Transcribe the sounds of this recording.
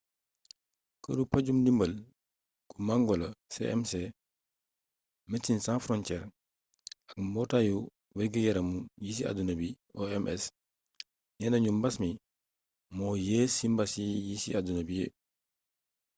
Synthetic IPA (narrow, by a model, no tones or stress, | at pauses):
kə̰dupɐɟumdimbəl | kumaŋɡɔlɐsɛ̰ʔɛmsɛ | mɛtːinsãnfɾɔnt͡ʃɛːɾ | ɐk̚mɔtaju | wɛɡijɛɾɐmujis̬ia̰dunɐbi | ʔɔɛmʔɛs | jɛnɐɲumbɐsmi | mɔːjeːsimbɐsijisḭadunɐbijḛ